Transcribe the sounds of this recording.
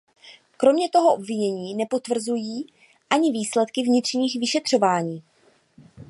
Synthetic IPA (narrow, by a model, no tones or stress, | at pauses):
kɾo̞mɲɛt̪o̞ɦoʔobvɪɲɛɲiːnɛpo̞t̪vr̩zujiː | ʔaɲɪviːslɛt̪kɪvɲɪt̪r̝̥ɲiːxvɪʃɛt̪r̝̥o̞vaːɲiː